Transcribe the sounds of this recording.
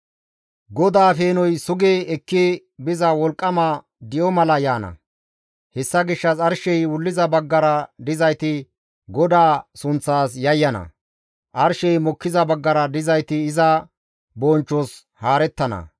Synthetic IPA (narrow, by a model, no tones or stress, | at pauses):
ɡɔd̪aːfeːnɔjsʊɡeːɛkːɪ | bɪzɐwɔlkʼːɐmɐ | d̪ɪjɔmɐlɐjaːnɐ̰ | hɛsːɐɡɪʃːɐsɐɾʃɛjwʊlːɪzɐbɐɡːɐɾɐd̪ɪzɐjt̪ɪ | ɡɔd̪aːsʊnt͡sːaːsjɐjːɐnɐ̰ | ʔɐɾʃɛjmɔkːɪzɐbɐɡːɐɾɐd̪ɪzɐjt̪ɪːzɐ | bɔnt͡ʃːɔs | haːɾɛt̪ːɐnɐ̰